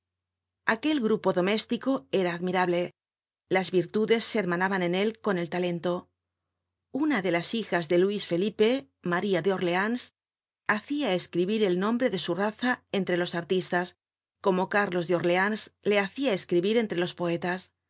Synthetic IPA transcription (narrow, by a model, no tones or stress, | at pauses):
ake̞lɣɾupo̞ðo̞me̞st̪iko̞eɾaːðmiɾaβle̞ | lazβiɾt̪uðe̞sːeeɾmanaβane̞ne̞lko̞ne̞lt̪ale̞nt̪o̞ | unaðe̞lasixazðe̞luisfe̞lipe̞ | maɾiaðeo̞ɾle̞ans | aθiaeskɾiβiɾe̞lnõ̞mbɾe̞ðe̞suraθae̞nt̪ɾe̞lo̞saɾt̪ist̪as | ko̞mo̞kaɾlo̞zðeo̞ɾleansle̞aθiae̞skɾiβiɾe̞nt̪ɾe̞lo̞spo̞e̞t̪as